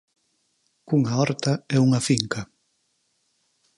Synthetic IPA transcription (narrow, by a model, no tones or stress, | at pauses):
kuŋaɔɾt̪aɛuŋɐfiŋkɐ